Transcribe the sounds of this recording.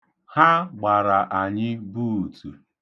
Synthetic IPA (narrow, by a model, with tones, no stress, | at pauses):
ha˦ɡ͡ba˨ɾa˨ʔa˨ɲɪ˦bu˦˨tu˨